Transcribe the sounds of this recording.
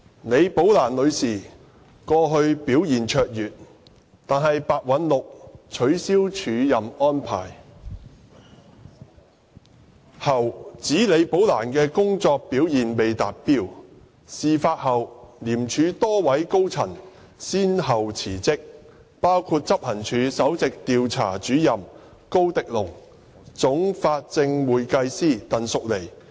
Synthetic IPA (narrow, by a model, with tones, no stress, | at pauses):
ne˨˧jpo˨˥wlaː˨˩nlɵ˨˧ɥsiː˨˩ | kɔː˧ɦɵ˧ɥpiː˨˥wjiː˨˩nt͡ʃʰœː˧k̚jyː˨˩t̚ | t̪aː˨nɦɐ˨jpaː˨˧t̚wɐ˨˥nlʊ˨k̚t͡ʃʰɵ˨˥ɥsiː˥wt͡ʃʰyː˨˧jɐ˨mɔː˥npʰa̰ː˨˩j | hɐ˨˩wt͡siː˨˥le˨˧jpo˨˥wla̰ː˨˩nkɛː˧kʊ˥ŋt͡sɔː˧k̚piː˨˥wjiː˨˩npe˨jt̪aː˨t̚piː˥w | siː˨˧faː˧t̚hɐ˨wliː˨˩mt͡ʃʰyː˨˥t̪ɔː˥wɐ˨˥jko˥wt͡sʰɐ˨˩n | siː˥nɦɐ˨wt͡sʰiː˨˩t͡sɪ˥k̚ | paː˥wkʰu˧t̚t͡sɐ˥p̚hɐ˨˩nt͡ʃʰyː˨˧sɐ˨˥wt͡sɪ˨k̚t̪iː˨˧wt͡sʰa̰ː˨˩t͡ʃyː˨˥jɐ˨m | ko˥wt̪ɪ˨k̚lʊ˨˩ŋ | t͡sʊ˨˥ŋfaː˧t̚t͡sɪ˧ŋwuː˨jkɐ˧jsiː˥˩t̪ɐ˨nsʊ˨k̚le˨˩j